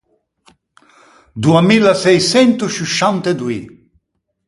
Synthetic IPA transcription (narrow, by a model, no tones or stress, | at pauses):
d̪uamilasɛjsɛnt̪uʃuʃant̪ed̪ui